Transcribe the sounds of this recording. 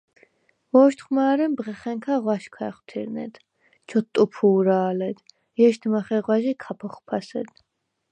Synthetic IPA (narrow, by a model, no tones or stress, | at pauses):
vɔʃt̪χmaːɾɛmbʁɛχɛŋkʰaʁwaʃkʰwaɛχwt̪ʰḭɾnɛ̰d̪̥ | t͡ʃʰɔt̪ʼːupʰuːɾaːlɛd̪̥ | jɛʃt̪ʰmaχɛʁwaʒikʰapʰɔχpʰasɛd̪̥